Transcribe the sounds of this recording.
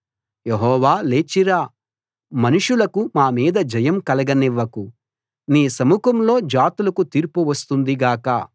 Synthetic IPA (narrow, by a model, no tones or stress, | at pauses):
jeɦɔːʋaːle̞ːt͡ʃiɾaː | mɐnuʂulɐkumaːmiːd̪ɐd͡ʒɐjɐmkɐlɐɡɐniʋːɐku | niːsɐmukɐmlo̞ːd͡ʒaːt̪ulɐkut̪iːɾpuʋɐst̪und̪iɡaːkɐ̰